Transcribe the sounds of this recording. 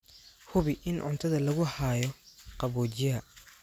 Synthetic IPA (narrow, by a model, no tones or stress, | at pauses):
hʊβɪʔɪnʕʊ̰nt̪ʰɐðɐlɐɣʊhaːjɔqɑβɔːt͡ʃjɐɐ